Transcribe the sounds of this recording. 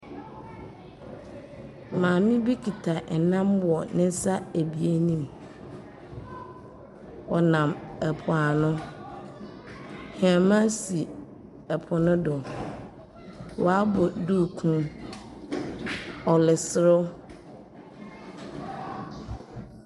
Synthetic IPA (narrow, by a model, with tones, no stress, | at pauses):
mãː˨mĩ˦bi˦kʰi˨tʰa˨ʔɛ˨nã˦mwɔ˨nɪ̃˦n˦sa˦æ˨bi˨e˦nĩ˦˨m | ɔ˨nã˨mɛ˨pʰʊ˨a˨nʊ̃˦ | ha˨mã˦si˨ | ɛ˨pʰʊ˨nʊ̃˦dʊ˨ | wɔ˨a˦bɔ˨duː˦˨kʰũ˦ | ɔ˨lɪ˨sɪ˨ɾʊ˦